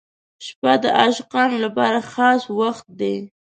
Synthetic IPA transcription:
ʃpad̪əʔaʃqɑnolapɑɾaxɑswaxt̪̚d̪e

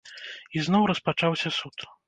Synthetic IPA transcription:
iznɔwɾɐspat͡ʂawsʲɐsut̪

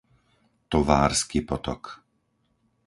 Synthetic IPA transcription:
t̪ɔʋaːɾskipɔt̪ɔ̰k

